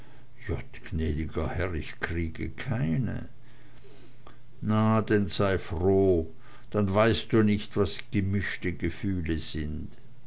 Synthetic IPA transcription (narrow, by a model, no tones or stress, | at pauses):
j̥ɔtɡ̥nɛːdɪɡɐhɛʁɪçkʁ̥iːɡə̰kʰaɪnə̰ | nadɛnzaɪfʁoː | d̥anvaɪst̚d̥uːnɪçtvasɡ̥əmɪʃtəɡəfyːləzɪnt